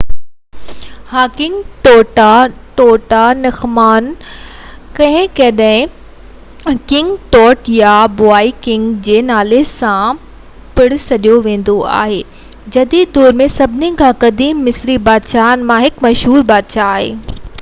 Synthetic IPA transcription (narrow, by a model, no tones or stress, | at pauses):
haːkɪ̃ŋɡʈɔːʈaʈoːʈanɐxmaːn | kɐ̃ɦɪ̃kɐɗɐɦɪ̃ | kɪ̃ŋɡʈɔːʈjabʊaːikɪ̃ŋɡd͡ʑeːnaːlesã | pɪɽsɐɗjoʋẽːn̆d̪oa̰ːɦeː | d͡ʑɐd̪id̪̚d̪ɔːɾmẽsɐbʱɪnĩkʰãkɐd̪iːmːɪsɾibaːd̪ʃaːnmãɦɪkmɐʃɦuːɾbaːd̪ʃaːɦḛː